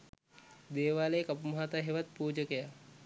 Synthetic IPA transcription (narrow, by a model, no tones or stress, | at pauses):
d̪eːʋaːlejekɐpumaɦat̪aɦeʋat̪̚puːd͡ʒəkeja